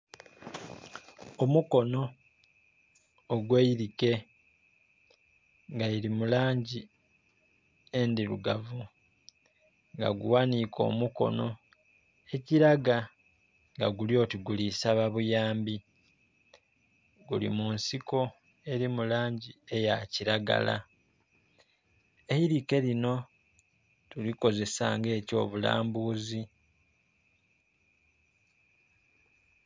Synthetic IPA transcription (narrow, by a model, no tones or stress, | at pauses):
omuko̞no̞ | ɡweiɾike̞ | ŋɡajiɾimulaːɲɟi | endiɾuɡavu | ŋɡa̰ɡṵwanikʰo̞̰ːmuko̞̰no̞ | e̞ciɾaɡa | ŋɡaɡuljo̞ːtiɡulisaβaβujaːmbi | ɡulḭmunsiko̞ | e̞ɾimulaːɲɟie̞jaciɾaɡa̰la̰ | e̞hiɾike̞lino̞ | tuliko̞ze̞sa̰ŋɡe̞ːco̞̰ːβula̰ːmbuːzi